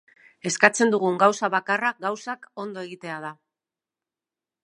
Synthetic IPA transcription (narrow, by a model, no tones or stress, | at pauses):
e̞skat͡se̞nd̪uɣ̞uŋɡawsaβakaraɡawsako̞nd̪o̞e̞ɣit̪e̞að̞a